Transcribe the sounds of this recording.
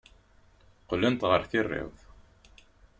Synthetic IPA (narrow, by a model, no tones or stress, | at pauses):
qlːənt̪ʁəɾθɪrːɪ̰ðˤ